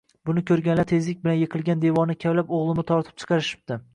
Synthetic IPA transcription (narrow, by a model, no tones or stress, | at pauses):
bʊnɪkʲʰɵɾɡʲanlat̪ʰe̞zlɪk̚ʲbɪlanjɨqʰɨlˠɡʲand̪e̞vɒnɪkʲʰavlapoʁlˠɪmɪt̪ʰɒɾt̪ʰɪ̥p̚t͡ʃʰɨ̥qʰɑɾɪʃɪ̥p̚t̪ɪ